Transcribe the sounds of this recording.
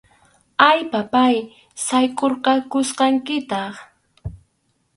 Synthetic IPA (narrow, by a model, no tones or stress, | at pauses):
ajpapaj | sajkʼoɾqɑkʊsqɑŋkɪt̪ɑχ